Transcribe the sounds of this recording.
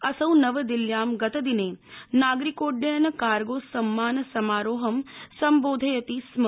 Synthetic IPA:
ɐsɐwnɐʋəd̪iljaːmɡɐt̪ɐd̪ineːnaːɡɾikoːɖjɐjnɐkaːɾɡoːsɐmːaːnsɐmaːɾoːɦɐmsɐmboːd̪ʱɐjɐt̪ism

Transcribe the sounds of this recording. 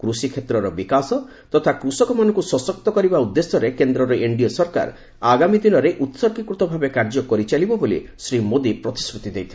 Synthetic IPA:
kɾusikʰet̪ɾɔɾɔbikasɔ | t̪ɔt̪ʰakɾusɔkɔmanɔ̃ŋkusɔsɔk̚t̪ɔkɔɾibaud̪ːesjɔɾekend̪ɾɔɾɔʔeɳɖiɔsɔɾka̰ɾ | aɡamid̪inɔɾeʔut̪sɔɾkikɾut̪ɔbʱabekaɾd͡ʒɔkɔɾit͡ʃalibɔbolḭsɾimod̪ipɾɔt̪isɾut̪id̪ejt̪ʰibe

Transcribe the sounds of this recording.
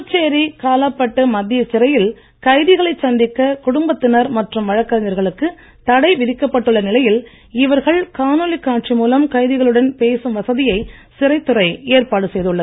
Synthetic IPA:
t͡ʃːeːɾikaːlɐpːɐʈːɯmɐd̪ːɪjɐt͡ʃɪrɐjɪl | kɐɪðɪɣɐɭɐɪsɐnd̪ɪkːɐkʊɽʊmbɐt̪ːɪnɐɾmɐʈrɯmʋɐɻɐkːɐɾɐɲɐɾɣɐɭɯkːɯ | t̪ɐɽɐɪʋɪðɪkːɐpːɐʈːɯɭːɐnɪlɐjɪl | ɪʋɐɾɣɐɭkaːnoːlikːaːʈ̚t͡ʃimuːlɐmkɐɪðɪɣɐɭɯɽɐnpeːsɯmʋɐsɐðɪjɐɪsɪrɐɪt̪ːɯrɐɪeːɾpaːɽɯsɛjðɯɭːɐðɯ

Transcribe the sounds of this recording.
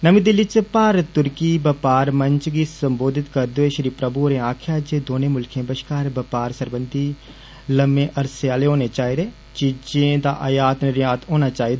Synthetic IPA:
nəmĩd̪ɪlːit͡ʃpaːɾət̪ːʊɾkibəpaːɾmə̃ɲt͡ʃɡisə̃mboːd̪ʱɪt̪kəɾd̪oːeʃɾiːpɾəbuɾẽaːkʰjaːd͡ʒed̪oːneːmʊlkʰẽːbəʃkaːɾbɐpaːɾsəɾbə̃nd̪i | ləmẽːʔɐɾseaːleɦoːnet͡ʃaːɦid̪eː | t͡ʃid͡ʒẽd̪aːʔɐjaːt̪nɪɾjaːt̪oːnaːt͡ʃaːid̪e

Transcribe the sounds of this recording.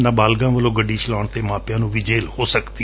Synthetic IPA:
naːbaːlɡãːʋəlõːɡəɖːiːt͡ʃɪlaːɳt̪eːmãːpjãːnũːʋiːd͡ʒeːlhoːsəkd̪i

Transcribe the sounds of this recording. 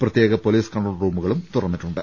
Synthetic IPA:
prɐt̪je̞ːɣɐpoliːskɐɳʈroːlruːmuɣɐɭumt̪urɐnːiʈːuɳɖɨ

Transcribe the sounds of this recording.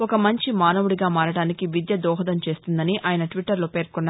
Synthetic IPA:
ɔkɐmɐɲt͡ʃimaːnɐʋuɽiɡaːmaːɾɐɽaːnikiʋid̪jɐd̪ɔːɦɐd̪ɐmt͡ʃe̞ːst̪und̪ɐniʔʔaːjɐnɐʈʋiʈːɐɾloːpe̞ːɾkɔnːa

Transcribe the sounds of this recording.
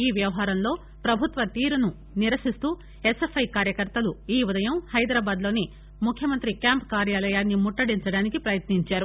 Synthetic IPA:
iːʋjɐʋɐɦaːɾɐmlo̞ː | pɾɐbʱut̪ʋɐt̪iːɾunu | niɾɐsist̪uː | esefʰɐjkaːɾjɐkɐɾt̪ɐluiːud̪ɐjɐmhɐjd̪ɾaːbaːd̪lo̞ːni | mukʰjɐmɐnt̪ɾikjaːmpkaːɾjaːlɐjaːnːimuʈːɐɽiɲt͡ʃɐɽaːnikipɾɐjɐt̪niɲt͡ʃaːɾu

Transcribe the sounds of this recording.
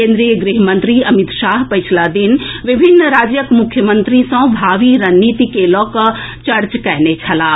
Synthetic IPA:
kẽːnd̪ɾijəɡɾiɦmə̃nt̪ɾiɐmɪt̪ʃaːɦpɐjt͡ʃʰlad̪inʋɪbʱinːɾaːd͡ʒjəkmʊkʰjəmə̃nt̪ɾisɔ̃ːbʱaːʋiɾɐnːiːt̪ikelɔːk | t͡ʃɐɾt͡ʃkɛɦnet͡ʃʰɐlaː

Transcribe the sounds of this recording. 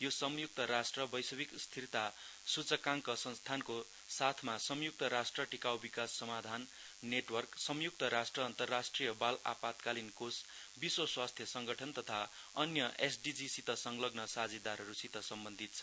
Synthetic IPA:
josʌmjuk̚t̪ʌɾasʈrʌbʌjsʌbikst̪ʰirt̪a | sut͡sʌkaŋkʌsʌ̃nst̪ʰanko | sat̪ʰmasʌmjuk̚t̪ʌɾasʈrʌʈikawbikasːʌmad̪ʱanː | eʈwʌrksʌmjuk̚t̪ʌɾasʈrʌːnt̪ʌrːasʈrijʌbala̰pat̪kalinkos | biswʌswast̪ʰjʌsʌŋɡʌʈʰʌnt̪ʌt̪ʰa | ʌnjʌʔesɖid͡zisit̪ʌsʌŋlʌɡnʌsad͡zid̪aɾɦʌɾusit̪ʌsʌmbʌnd̪ʱit̪̚t͡sʰʌ

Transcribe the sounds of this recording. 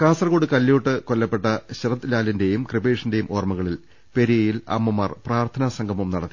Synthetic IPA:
kaːsɐrkoːɽɨkɐlːoːʈːɨkolːɐpːe̞ʈːɐɕirɐt̪ːlaːlɐnde̞jumkribeːʂɐnde̞jumʔoːrmɐɣɐɭil | pe̞ɾijɐjilɐ̰mːɐmɐrpraːrt̪ʰɐnɐsɐŋɡʱɐmumnɐɽɐt̪ːi

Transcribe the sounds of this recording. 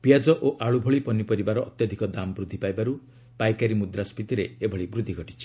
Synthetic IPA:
piad͡ʒɔʔoʔaɭubʱoɭipɔnipɔɾibaɾɔːt̪jɔd̪ʱikɔd̪amɔbɾud̪ʱipajbaɾu | pajkaɾimud̪ɾaspit̪iɾeebʱɔɭibɾud̪ʱːiɡʱɔʈi̥t͡ʃʰi̥

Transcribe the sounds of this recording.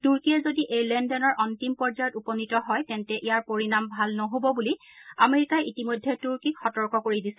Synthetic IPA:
tuɹkiɛzodiʔejlɛndɔnɔɹʔɔntimpɔɹzajɔtupɔnitɔɦɔjkɛntɛʔijaɹpoɹinambʱalnɔɦobɔbuli | ameɹikajʔitimojdʱːɛtuɹkikxɔtɔɹkɔkoɹidisɛ

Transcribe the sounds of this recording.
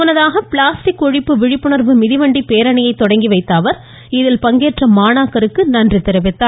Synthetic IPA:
ʊnɐðaːɣɐpɪɭaːsʈɪkːɔɻɪpːɯʋɪɻɪpːɯɳɐɾʋɯmɪðɪʋɐɳɖipeːɾɐɳɐjɐɪt̪ːɔɽɐŋɡiʋɐɪt̪ːaːʋɐɾ | ɪðɪlpɐŋɡeːʈrɐmaːnaːkːɐɾɯkːɯnɐndrit̪ːɪɾɐʋɪt̪ːaː

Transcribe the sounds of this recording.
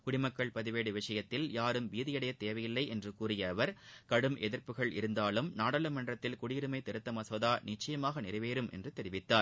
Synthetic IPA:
kʊɽɪmɐkːɐɭpɐðɪʋeːɽɯʋɪʂɐjɐt̪ːɪljaːɾɯmʋiːðɪjɐɽɐjɐt̪ːeːʋɐjɪlːɐɪʔɛndrɯkuːrɪjɐːʋɐɾkɐɽɯmʔɛðɪɾpɯɣɐɭɪ̰ɾɯnd̪aːlɯmnaːɽɐlɐmɐnrɐt̪ːɪlkʊɽiːɾɯmɐɪt̪ːɛɾɯt̪ːɐmɐsɔðaːnɪt͡ʃːɐjɐmaːɣɐnɪɾɐʋeːɾɯmʔɛ̰ndrɯt̪ɛɾɪʋɪt̪ːaːɾ

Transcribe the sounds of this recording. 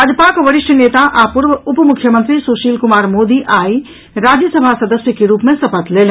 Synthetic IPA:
ɐd͡ʒpaːkʋɐɾɪʃʈʰəneːt̪aʔaːpʊɾʋʊpmʊkʰːjəmə̃nt̪ɾisoːʃiːlkʊmaːɾmoːd̪iʔaːi | ɾaːd͡ʒjəsɐbʱasɐd̪əsjəkeɾuːpmẽsɐpət̪leːl

